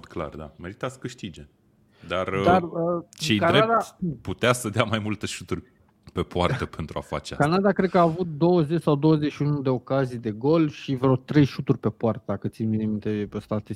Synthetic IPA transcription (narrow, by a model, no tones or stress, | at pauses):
t̪kla̰rd̪ameɾit̪asə̥kɨʃt̪id͡ʒe | d̪ard̪arət͡ʃejkanɾead̪aput̪easəd̪eamajmult̪eʃut̪urʲ | pe̞poart̪əpe̞nt̪ɾua̰fa̰t͡ʃea̰kanad̪akɾed̪̚kəaːvut̪̚d̪o̞wəze̞t͡ʃsawd̪o̞wəzet͡ʃʃiunud̪e̞o̞kazijd̪e̞ɡo̞lʃivɾot̪ɾe̞jʃut̪urʲpe̞poart̪akɨt̪sinvinimint̪eəst̪at̪e